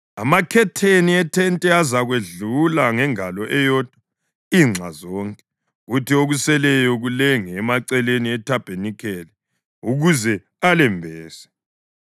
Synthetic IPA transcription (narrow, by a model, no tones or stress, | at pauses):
amakʰɛtʰeniɛtʰɛntʼɛazaɣweɮulaŋɛŋalɔʔɛjɔːd̥ʱwa | iŋ͡ǁʱa̰zɔːŋkʼɛ̥ | ɣutioɣusɛlɛjɔɣulɛŋɛmaǀɛleniɛtʰab̥ʱenikʰɛːlɛ | uɣuzɛ | alɛmbʱɛːsɛ̥